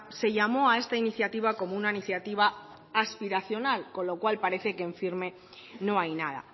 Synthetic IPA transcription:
se̞ʎamo̞ae̞st̪ainiθjat̪iβ̞ako̞mounainiθjat̪iβ̞aː | spiɾaθjo̞nalko̞nlokwalpaɾe̞θe̞keːɱfiɾme̞ | no̞ajnað̞a̰

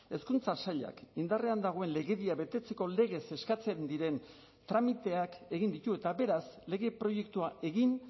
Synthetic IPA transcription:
e̞skunt͡sasaʎa̰kind̪are̞and̪aɣ̞o̞e̞nle̞ɣe̞ðiaβet̪e̞t͡se̞ko̞le̞ɣ̞e̞se̞skat͡se̞nd̪iɾe̞n | t̪ɾamit̪e̞ake̞ɣind̪it̪ue̞t̪aβe̞ɾasle̞ɣe̞pɾo̞je̞kt̪uae̞ɣin

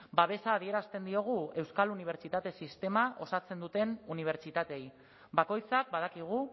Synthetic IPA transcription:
baβ̞e̞saːð̞ie̞ɾast̪e̞nd̪io̞ɣ̞ue̞wskaluniβ̞eɾt͡ʃit̪at̪e̞sist̪e̞maʔo̞sat͡se̞nd̪ut̪e̞nuniβ̞e̞ɾt͡ʃit̪at̪e̞j | bako̞jt͡sak̚bað̞akiɣ̞u

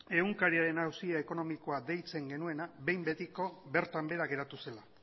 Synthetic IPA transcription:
e̞uŋkaɾiaɾe̞nawsiaeko̞no̞miko̞ad̪e̞jt͡se̞ŋɡe̞nue̞nabe̞jmbe̞t̪iko̞be̞ɾt̪ambe̞ɾaɣe̞ɾat̪use̞la

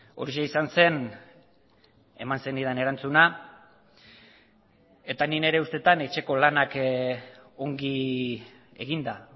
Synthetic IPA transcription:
o̞ɾiʃeisanse̞n | e̞̰mansenið̞ane̞ɾant͡suna | e̞t̪anine̞ɾe̞ust̪e̞t̪ane̞t͡ʃe̞ko̞lanak | o̞ŋɡi | e̞ɣind̪a

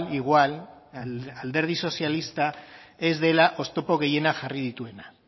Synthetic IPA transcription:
liɣwal | ald̪e̞ɾð̞iso̞sjalist̪ae̞zðe̞laʔo̞st̪o̞po̞ɣ̞e̞je̞naʝarið̞it̪ue̞na

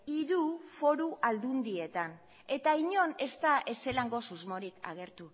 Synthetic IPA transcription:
iɾufo̞ɾuʔald̪und̪ie̞t̪an | e̞t̪aiɲo̞ne̞st̪aʔese̞laŋɡo̞suzmo̞ɾika̰ɣ̞e̞ɾt̪u

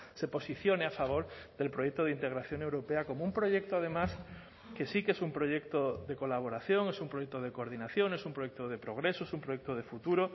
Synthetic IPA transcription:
se̞po̞siθjo̞neafaβ̞o̞ɾðe̞lpɾo̞jek̚t̪oð̞eint̪e̞ɣɾaθjo̞ŋe̞wɾo̞peako̞moumpɾo̞ʝe̞k̚t̪oað̞e̞mas | ke̞sikesumpɾo̞ʝe̞k̚t̪oðe̞ko̞laβ̞o̞ɾaθjo̞ŋe̞sumpɾojek̚t̪oð̞e̞koɾð̞inaθjo̞ŋesumpɾo̞jekt̪oð̞e̞pɾo̞ɣ̞ɾe̞soesumpɾojek̚t̪oðe̞fut̪uɾo

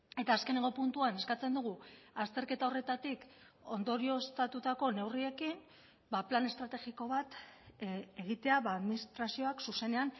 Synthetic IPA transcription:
e̞t̪aːske̞ne̞ŋɡo̞punt̪uane̞skat͡se̞nd̪uɣ̞uast̪e̞ɾke̞t̪ao̞re̞t̪at̪ik | o̞nd̪o̞ɾio̞st̪at̪ut̪ako̞ne̞wrie̞kin | baplane̞st̪ɾat̪e̞ɣiko̞βat̪ | e̞ɣit̪e̞aβaːðminist̪ɾasio̞aksuse̞ne̞an

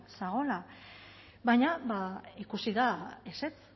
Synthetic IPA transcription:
saɣ̞o̞la | βaɲabaikusiðaese̞t͡s

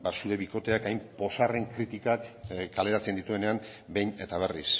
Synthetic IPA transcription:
basuɾe̞βiko̞t̪e̞akajmpo̞sare̞ŋkɾit̪ikakkale̞ɾat͡send̪it̪ue̞ne̞am | be̞jne̞t̪aβ̞e̞ris

